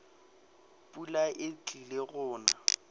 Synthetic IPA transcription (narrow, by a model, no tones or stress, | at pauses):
pʼulaʔɪt͡ɬʼileɣʊːna